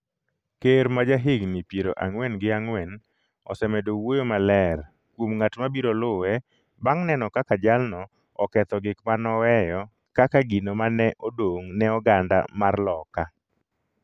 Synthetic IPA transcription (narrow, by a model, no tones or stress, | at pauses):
keɾmad͡ʒaɦɪɡnɪpjeɾoʔaŋwɛnɡɪaŋwɛn | ɔ̰sɛmɛdowojomalɛɾ | kwomŋatmabiɾolʊwɛ | baŋnɛnɔkakad͡ʒalnɔ | ɔkɛt̪ɔɡɪkmanɔwɛjɔ | kakaɡinomanɛʔodoŋnɛɔɡanda̰marlɔka